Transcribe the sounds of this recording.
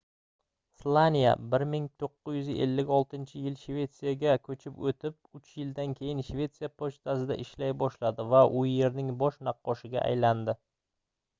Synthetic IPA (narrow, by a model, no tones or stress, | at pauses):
slˠanʲija̰bɪɾmɪŋt̪ʰoqːɨzjʏzɪʔe̞̰lːɪkʲɒlˠt̪ʰɪnt͡ʃʰɪjɪlʃvʲe̞t̪sijaɡʲakʰɵt͡ʃʰɪpot̪ʰɪp̚ʊt͡ʃjɪld̪ankʲʰe̞jɪnʃve̞t̪sijapʰot͡ʃt̪ʰasɪd̪a̰ʔɪʃlajbɒʃlad̪ɪvaʔʊje̞ɾnɪŋbɒʃnɑqːɒʃɪɡʲa̰ʔa̰jland̪ɪ